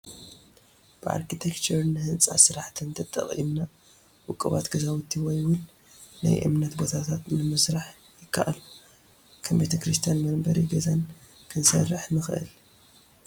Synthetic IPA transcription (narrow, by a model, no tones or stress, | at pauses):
b̥ɨʔa̰ɾkʰit̪ʰekt͡ʃʰɨɾnɨhɨnt͡sʼa̰sɨɾaħt̪ʰɨnt̪ʰɐt̪ʼːɐ̰χʼḭmna | wʊkʼːɐβa̰t̪ɡɐzawɔt̪ʰːiwɔjwʊl | na̰jʔɨ̰mnɐt̪bo̞t̪ʰat̪ʰat̪nɨmɨsɾaħ | jɪkʰːa̰ʔalu | kʰɐmbet̪ʰɐkɾɨst̪ʰijanmɐnbɐɾiɡɐzan | kʰɨnsɐrːɨħnɨxʔɨ̰l